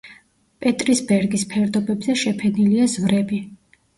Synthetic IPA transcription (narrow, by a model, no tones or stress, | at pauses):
pʼɛt̪ʼɾisbɛɾɡispʰɛɾd̪ɔbɛbzɛʃɛpʰɛniliazvɾɛbi